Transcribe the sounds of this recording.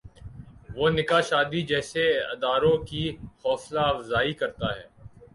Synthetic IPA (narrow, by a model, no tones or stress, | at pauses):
ʋoːnɪkaʃaːd̪id͡ʒɛːseɐ̰d̪aːɾõkixɔːslaɐʋzaːikɐɾt̪aɦɛ̰ː